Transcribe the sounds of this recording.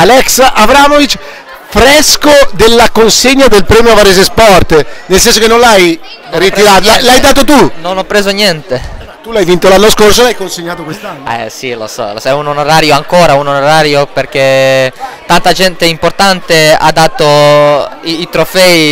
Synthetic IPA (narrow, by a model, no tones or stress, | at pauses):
alɛksabɾamovit͡ʃ | fɾɛskod̪elːakonseɲːad̪elpɾɛːmjovaɾezespɔrt̪nelsɛnsokenːõlaj | rit̪iɾaːt̪lalajd̪aːt̪̬ot̪unonɔpːɾeːzonjɛnt̪e | t̪ːulajvint̪olanːoskors̬olajkonseɲːaːt̪okwest̪anːɛ̰silo̰sɔ̰losɛunonoɾaːɾjoaŋkoːɾaunonoɾaːɾjoperk̟e | t̪ant̪ad͡ʒɛnt̪eimport̪ant̪ea̰d̪ːaːt̪o | iːt̪ɾofɛi